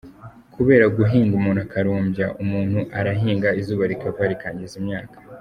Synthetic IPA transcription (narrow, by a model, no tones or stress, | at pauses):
kʰuβe̞ːɾaɡuɦiːŋɡumuːnhuakaɾuːmbja̰ʔumuːn̥huʔaɾaɦiːŋɡaizuːβaɾikavaɾikaːɲɟizimɲaːkʰḁ